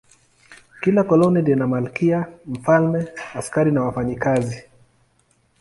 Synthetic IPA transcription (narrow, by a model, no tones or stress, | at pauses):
kilakɔlɔnidɛnamalkiam̩falmɛaskaɾinawafaɲikazi